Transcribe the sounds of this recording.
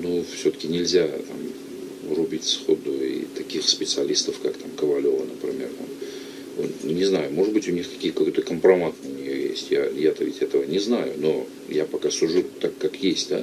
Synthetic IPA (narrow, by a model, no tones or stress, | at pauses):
nufsʲot̪ə̥kʲɪnʲɪlʲzʲat̪a̰m | rʊbʲitʲsxo̰d̪ʊḭt̪ɐkʲixspʲɪt̪sɨɐlʲist̪əfkakt̪amkəvɐlʲo̞vənəpɾʲɪmʲe̞rt̪a̰m | ʊnʲɪznajʊmo̞ʐɨt̪bɨtʲʊnʲixkɐ̥kʲijkɐko̞jt̪əkəmpɾɐmat̪ʊnʲɪjojḛsʲtʲja̰jat̪əvʲɪtʲɛt̪əvənʲɪznajʊno̞ | japɐkasʊʐut̪akːakjesʲtʲd̪a